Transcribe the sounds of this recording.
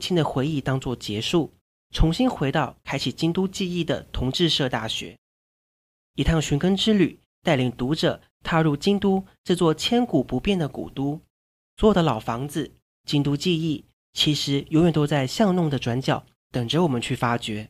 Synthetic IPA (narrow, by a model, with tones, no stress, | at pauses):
t͡ɕʰi˥ŋd̪ə˨xwe˧˥ɪi˥˩t̪ɑ˥ŋt͡swɔ˥˩t͡ɕjɛ˧˥ʂu˥˩ | ʈ͡ʂʰʊ˧˥ŋɕi˥nxwe˧˥ɪt̪ɑ˥˩ʊkʰa˥ɪt͡ɕʰi˨˩t͡ɕi˥ŋt̪u˥t͡ɕi˥˧i˥˩d̪ə̰˩t̪ʰʊ˧˥ŋʈ͡ʂɻ̩˥˧ʂɤ˥˧t̪a̰˥˩ɕɥɛ̰˧˥ | i˨˩t̪ʰɑ˥˩ŋɕy˧˥nkə˥ŋʈ͡ʂɻ̩˥ly˨˩ | t̪a˥˩ɪli˧˩ŋt̪u˧˥ʈ͡ʂɤ˨˩ | t̪ʰa˥ɻu˥˩t͡ɕi˥ŋt̪u˥ʈ͡ʂɤ˥˧t͡swɔ˥˩t͡ɕʰjɛ˥nku˨˩pu˧˥pjɛ˥˩nd̪ə˩kṵ˨˩t̪u˥ | swjd̪ə˦lɑ˨˩ʊfɑ˧˥ŋd͡zɹ̩˨ | t͡ɕi˥nt̪u˥t͡ɕi˥˧i˥˩ | t͡ɕʰi˧˥ʂɻ̩˧˥jo˧˥ʊɥɛ˨˩nt̪o˥ʊt͡sa˥˧ɪɕjɑ˥˧ŋnʊ˥˩ŋd̪ə˩ʈ͡ʂwa˧˥nt͡ɕjɑ˨˩˦ʊ | t̪ə˨˩ŋʈ͡ʂə˧˥wɔ˨˩mə˦nt͡ɕʰy˥˩fa˥t͡ɕɥɛ˧˥